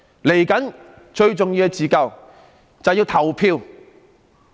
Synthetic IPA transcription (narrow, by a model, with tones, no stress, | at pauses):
le˨˩jkɐ˨˥n | t͡ʃɵ˧ɥt͡sʊ˨ŋji˧wɛ˧t͡siː˨kɐ˨w | t͡sɐ˨wjiː˧wt̪ʰɐ˨˩wpʰiː˧w